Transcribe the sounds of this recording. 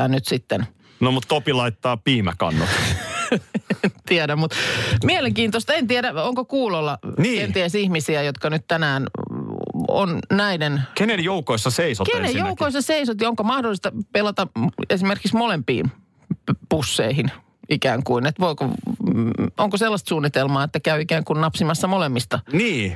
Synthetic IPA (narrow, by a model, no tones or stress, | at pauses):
æːnnyt̪sit̪ːen | nomut̪t̪opilɑit̪ːɑːpiːmækɑ̰nːot̪ | ent̪iæɾæmmut̪mieleŋkiːnt̪ost̪ɑent̪iæɾæoŋkokuːlolːɑniːkeniæsihmisiæjot̪kɑnyt̪t̪ænæːn | o̰nnæidenkenenjoukoisːɑseiso̰tkenejjoukoisːɑseisot̪jɑoŋkomɑhdolːˑist̪ɑpelɑt̪ɑesimerkiksmolempḭːn | pusːḛihin | ikæːŋkuinet̪ʋoiko | oŋkoselːɑst̪suːnːit̪elmɑːet̪ːækæyikæːŋkunnɑpsimɑsːɑmolemːist̪ɑniː